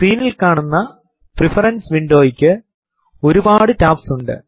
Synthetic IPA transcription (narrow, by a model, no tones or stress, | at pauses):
skɾiːnilkaːɳunːɐ | prifɐrɐnsʋiɳɖo̞ːjikʲːɨ | o̞ɾubaːɽɨtaːpsuɳɖɨ̰